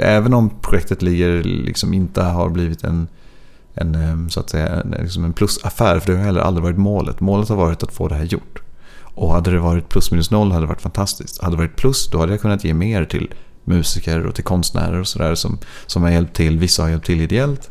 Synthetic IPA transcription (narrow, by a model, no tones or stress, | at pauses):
ʔɛːvənɔmpʰɾʊɧɛk̚t̪ət̪lɪɡːəɾlɪ̰ksɔmɪnt̪əɦa̰ɾbliːvɪt̪ʰɛ̰n | ɛnsʊa̰t̪sɛjːa̰ɛ̰lɪ̰ksɔmɛnpʰlɵsafæːɾfœɖɛhaɾhɛlːəɾʔa̰lɾɪvɑːɾɪt̪moːlə̰t̪moːlət̪haɾvɑːɾɪt̪at̪fo̰ːd̪ɛɦæːɾjʊ̰ʈː | ʔɔhad̪ːəd̪ɛvɑːɾɪt̪̚pʰlɵsminɵsnɔlːhad̪əɾɛva̰ʈːfant̪ʰast̪ɪskt̪had̪ːɾvɑːɾɪt̪pʰlɵsd̪ɔhad̪ːəjakʰɵnːat̪jeːmeːɾt̪ʰɪ̰l | mʉ̟ːsɪkəɾɔ̰t̪ʰɪlkʰɔnst̪næ̰ːɾəɾɔsɔd̪æ̰ːɾsɔm | sɔmhaɾjɛlp̚t̪ʰːɪlːvɪsːahaɾjɛlp̚t̪ʰːɪlɪd̪ɛɛlt̪